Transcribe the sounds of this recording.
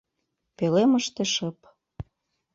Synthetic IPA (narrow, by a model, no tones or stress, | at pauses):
peleməʃt̪eʃɤp